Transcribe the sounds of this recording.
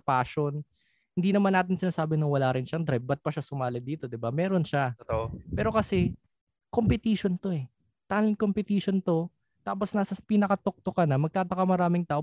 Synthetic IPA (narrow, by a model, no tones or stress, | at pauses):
paːʃon | hɪnd̪iːnɐmanːaːt̪ɪnsɪnaːsaːbɪnɐŋwɐlaːɾɪnʃɐŋd̪ɾɛbɐt̪̚pɐʃasʊmaːlɐd̪d̪iːt̪o̞d̪ɪbamɛːɾo̞nʃapɛːɾo̞kɐsɛ | kompɪt̪iːʃont̪o̞ɛ | t̪alɪnkompɪt̪iːʃont̪o̞ | t̪aːposnaːsɐpiːnɐkɐt̪ok̚t̪okɐnɐmɐɡ̚t̪aːt̪ɐkɐmɐɾaːmɪŋt̪aːʔo